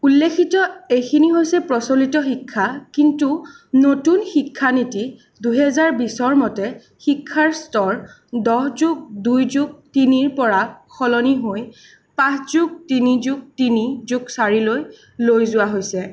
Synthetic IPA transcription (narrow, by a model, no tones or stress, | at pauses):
ulːekʰitɔejkʰiniɦojsɛpɹɔsolitɔxikʰːakintu | notunxikʰːaniti | duɦɛzaɹbisɔɹmɔtɛ | xikʰːaɹstɔɹ | dɔhzuk̚dujzuk̚tiniɹpɔɹaxʰɔlɔniɦoj | pãszuk̚tinizuk̚tinizuksaɹiloj | lojzʊwaɦojsɛ